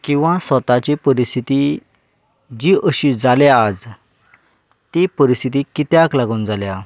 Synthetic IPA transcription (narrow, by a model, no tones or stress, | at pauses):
kĩw̃ʋãsʋət̪at͡ɕipəɾist̪ʰit̪i | d͡ʑiʔəɕid͡zaljaːd͡z | t̪ipəɾist̪ʰit̪ikit̪jaklaɡuːnd͡zalja